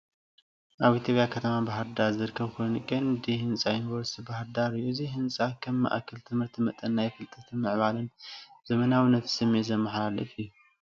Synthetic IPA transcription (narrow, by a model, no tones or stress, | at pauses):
ʔaβit̪ʰjo̞pʼjakʰɐt̪ʰɐmabaɦɾd̪aɾzɨɾɨkʰːɐβkʰojnkʼɨnd̪ihɨnsʼajunibɐɾst̪ʰibahɾd̪aɾɨjːuziɦɨnsʼakʰɐmːa̰ʔkʰɐlt̪ʰɨmhɨɾt̪ʰimɐt̪ʼɐnːajfɨlt̪ʼɐt̪ʰimɨʕβalɨnzɐmɐnawɨnːɐt̪ʰsɨmːet̪zɐmːɐħalalɨfɨjːu